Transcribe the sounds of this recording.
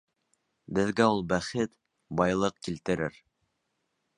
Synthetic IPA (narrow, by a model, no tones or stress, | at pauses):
bɘ̆ðɡæulˠbæχɘt̪ | bɑjlˠɤq̚kilt̪ɘ̆ɾɘ̰ɾ